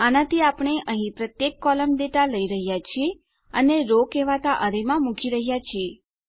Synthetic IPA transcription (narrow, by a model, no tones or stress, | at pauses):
anat̪iapɳ̃eʔəɦĩpɾət̪jekːɔləmd̪eʈaləiɾəɦjat͡ʃʰie | əneɾokeʋat̪aʔəɾemãmukʰiɾəɦjat͡ʃʰie